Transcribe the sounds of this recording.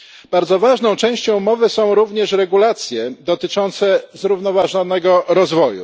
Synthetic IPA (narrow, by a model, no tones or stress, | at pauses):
b̥aɾd̪zɔvaʐnɔ̃w̃t͡ʂɛ̃w̃ɕt͡ɕɔ̃w̃mɔvɘsɔ̃w̃ɾuvɲɛʂɾɛɡulat̪sʲjɛd̪ɔt̪ɘt͡ʂɔnt̪sɛzɾuvn̪ɔvaʐɔnɛɡɔɾɔzvɔjṵ